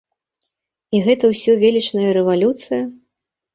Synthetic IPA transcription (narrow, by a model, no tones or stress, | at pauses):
iɣɛt̪ɐwsʲɔvʲelʲit͡ʂnɐjɐɾɛvalʲut̪sɨjɐ